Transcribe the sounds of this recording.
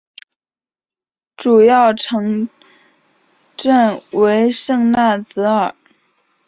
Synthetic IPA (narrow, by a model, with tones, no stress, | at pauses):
ʈ͡ʂu˨˩jɑ˥˩ʊʈ͡ʂʰɤ˧˥ŋ | ʈ͡ʂə˥˩nwe˧˥ɪʂɤ˥˧ŋna˥˩t͡sɹ̩˧˥ə˨˩˦